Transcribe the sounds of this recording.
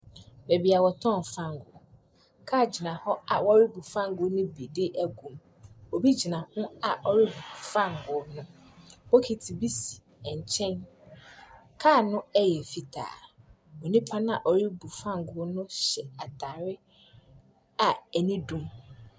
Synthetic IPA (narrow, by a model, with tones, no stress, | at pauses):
be˨bi˨a˨wɔ˨tʰɔ̃˦˨n˨fã˦˨ŋ˨ɡʊ̰˨ | kʰaː˦˨d͡ʑi˨nã˨hɔ˦a˨wɔ˦ɾi˦bu˨fã˦ŋ˨ɡʊ˨˦nʊ̃˦bi˨dɪ˦ʔæ˦ɡũ˨m | o˨bi˦d͡ʑi˨nã˨hʊ̃˦a˨ʔɔ˨ɾi˦bu˨fã˦˨ŋ˨ɡʊ˨nʊ̃˦ | bo˦kʰi˨tʰi˨bi˦si̥˨ | ɛ˨ɲ˨t͡ɕʰɛ̃˦n | kʰaː˦˨nʊ̃˦ɛ˦jɛ˨fi˨tʰa̰ː˨ | o˨nĩ˦pʰã˦n˦a˨ʔɔ˨ɾi˦bu˨fã˦ŋ˨ɡʊ˦nʊ̃˦ɕɛ˨a˨tʰa˨ɾɪ˦ | a˨ɛ˨nĩ˦dũ˦m